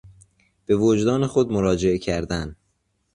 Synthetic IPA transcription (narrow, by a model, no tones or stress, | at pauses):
b̥e̞vod͡ʒd̪ɒːnexod̪moɾɒːd͡ʒe̞ecʰæɾd̪æn